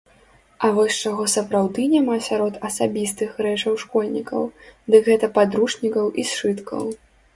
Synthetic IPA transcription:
ɐvɔsʲt͡ʂaɣɔsɐpɾawd̪ɨnʲamasʲaɾɔt̪ɐsabʲist̪ɨxɾɛt͡ʂɐwʂkɔlʲnʲikɐ̰wd̪ɨkɣɛt̪ɐpad̪ɾuʂnʲikɐwʔisʂɨt̪kʰɐ̰w

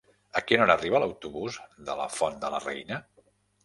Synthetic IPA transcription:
əkinɔɾəriβələwt̪uβuzðələ̰fɔnd̪ələ̰rɛjnə

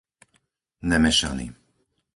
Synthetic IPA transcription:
nɛmɛʃa̰nḭ

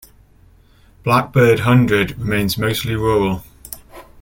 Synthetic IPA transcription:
b̥lak̚b̥ɜːdɦʌ̃ndɹədɹɪmẽɪ̃nzməʊstliɹɔːɹəlˠ

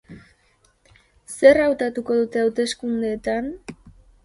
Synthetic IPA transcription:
se̞rawt̪at̪uko̞ðut̪e̞awt̪e̞skund̪eːt̪an

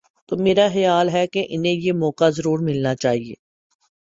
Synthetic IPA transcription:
t̪oːmeːɾaxɪjaːlɦɛkeʔɪnɦẽjemɔːkazɐɾuːɾmɪlnat͡ʃaːɦiḛː

